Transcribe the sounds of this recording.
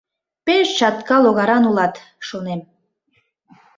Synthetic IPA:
peʃt͡ɕɑt̪kɑloɣɑɾɑnulɑt̪ | ʃonem

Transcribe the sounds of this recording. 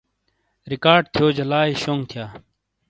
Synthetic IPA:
ɾikaːɾɖ̚t̪ʰjoːd͡ʑɐlaːiɕoːŋɡt̪ʰijaː

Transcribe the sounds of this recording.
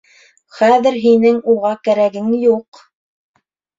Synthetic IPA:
χæðɘɾɦinɘŋuʁɑkæɾæɡɘŋjuq

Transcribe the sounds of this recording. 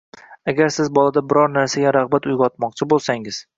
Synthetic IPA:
aɡʲaɾsɪzbɒlˠad̪abɪɾɒɾnaɾsaɡʲaɾaʁbat̪ʊjʁɒt̪mɒqt͡ʃʰɪbolˠsaŋɪz̥

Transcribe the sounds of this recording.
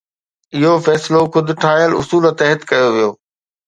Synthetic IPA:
ɪɦofɛːsloxʊd̪ʱʈʰaːjəlʊ̰suːləsɛɦɪt̪kɐjoʋijoː

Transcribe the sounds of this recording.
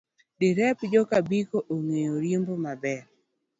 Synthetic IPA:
dɪɾɛpd͡ʒɔkabikoʔoŋejoɾjembomabɛɾ

